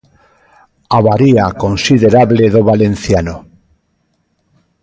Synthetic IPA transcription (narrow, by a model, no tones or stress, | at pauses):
aβaɾiakonsiðeɾaβleðoβalen̟θjano